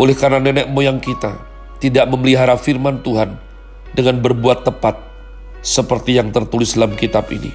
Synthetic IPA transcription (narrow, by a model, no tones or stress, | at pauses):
ʔolɛhkananɛnɛʔ̚mojaŋkit̪a̰ | t̪idaʔməməliɦaɾafirmant̪uɦan | dəŋanbərbuat̪ːəpat̪̚ | səpərt̪ijaŋt̪ərt̪ulɪsdalamkit̪apḭnḭ